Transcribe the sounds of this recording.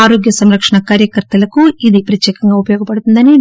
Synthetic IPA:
aːɾoːɡjɐsɐmɾɐkʂɐɳɐkaːɾjɐkɐɾt̪ɐlɐkuid̪ipɾɐt̪jɛːkɐŋɡaːupɐjɔːɡɐpɐɽut̪und̪ɐni

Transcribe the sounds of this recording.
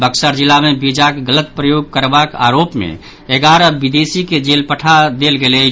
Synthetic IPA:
bəksəɾd͡ʒilːamebid͡ʒakɡələt̪̚pɾəjoɡ̚kəɾbaka̰ɾopmḛ | eɡaɾəbid̪esiked͡ʒelpəʈʰad̪elɡelɛ

